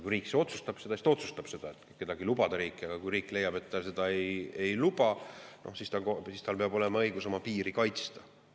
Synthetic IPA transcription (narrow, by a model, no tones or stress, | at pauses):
kujriːkseo̞t̪sust̪ɑb̥se̞d̪ɑsist̪ot̪su̥st̪ɑb̥se̞d̪̥ɑet̪ːˑke̞d̪ɑɡ̥ilubɑd̪̥ɑɾiːkːiɑɡ̥ɑkujɾiːkːˑle̞jːɑbe̞t̪ːɑse̞d̪̥ɑe̞je̞jlub̥ɑnʔo̞̰hsist̪ɑkosist̪ɑlpe̞ɑbo̞lɛmɑɤjɡ̥uso̞mɑpiːɾikɑjt̪st̪ɑ̥